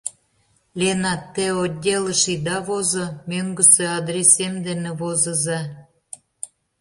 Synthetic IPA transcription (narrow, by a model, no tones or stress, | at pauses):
lʲenɑt̪ːeod̪ʲːeləʃid̪ɑβozŏmʲøŋɡə̆seɑd̪ɾʲesemd̪enĕβozə̆zɑ